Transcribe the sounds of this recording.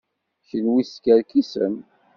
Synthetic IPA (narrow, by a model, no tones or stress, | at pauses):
çəlwiskəɾkisə̰n